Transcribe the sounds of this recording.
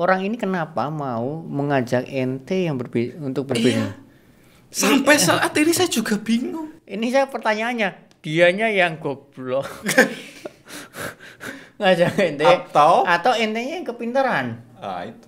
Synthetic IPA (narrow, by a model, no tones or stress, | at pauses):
ʔoɾaŋinikənapamauməŋad͡ʒakɛnt̪ejaŋbərbiunt̪ʊk̚bərbiŋuŋ | sampɛsəat̪inisajad͡ʒ̥uɡa̤b̥iŋuŋʔinisajapərt̪aɲaːɲa | d̥iaɲajaŋɡ̥ɔb̥lɔ | əŋad͡ʒakɛnt̪et̪awat̪awɛnt̪eɲajaŋkəpint̪əɾana̰it̪u